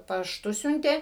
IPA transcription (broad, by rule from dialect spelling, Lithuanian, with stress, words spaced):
pɐʃˈtʊ ˈsʲʊnʲtʲeː